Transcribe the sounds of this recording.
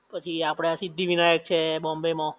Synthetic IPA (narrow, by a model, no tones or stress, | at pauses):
pət͡ʃʰiapɽ̃easid̪ʱːiʋinajək̚t͡ʃʰebɔmbemõ